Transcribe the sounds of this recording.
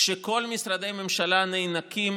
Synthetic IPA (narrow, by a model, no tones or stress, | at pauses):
ʃeko̞lmisɾad̪e̞jme̞mʃalanejnakim